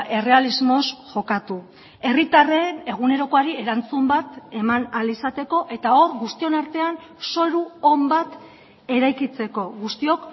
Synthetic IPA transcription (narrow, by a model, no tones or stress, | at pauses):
ʔe̞re̞alizmo̞sʝo̞kat̪u | e̞rit̪areːne̞ɣ̞une̞ɾo̞koaɾie̞ɾant͡sumbat̪e̞manalisat̪e̞ko̞ʔe̞t̪ao̞ɾɣust̪io̞naɾt̪e̞an | so̞ɾuombat̪ | e̞ɾajkit͡se̞ko̞ɣust̪io̞k